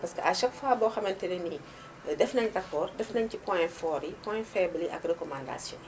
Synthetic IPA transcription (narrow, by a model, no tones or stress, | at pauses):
pɐskəʔaʃɐkfaːbɔːxɐmɐntɛneni | dɛfnɐɲtɐkːɔːrdɛfnɐɲcipɔ̃jfɔːɾipɔ̃jfɛbliʔɐ̰krəkɔmanda̰sjɔ̰̃n